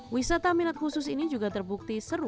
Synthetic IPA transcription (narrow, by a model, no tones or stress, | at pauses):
wisat̪aminat̪̚husʊs̬inid͡ʒuɡat̪ərbuk̚t̪isəɾu